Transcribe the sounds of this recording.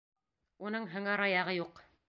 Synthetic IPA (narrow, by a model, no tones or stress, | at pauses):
unɤɴɦɘ̆ŋæɾɑjɑʁɤjuq